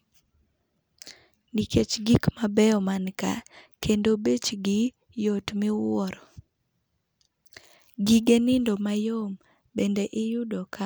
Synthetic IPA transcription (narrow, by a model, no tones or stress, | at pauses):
niket͡ʃɡikmabɛɔmanka̰kʰendobet͡ʃɡɪ | jotmɪwɔɾɔ | ɡiɡenɪndomajom | bendeʔɪjʊdɔka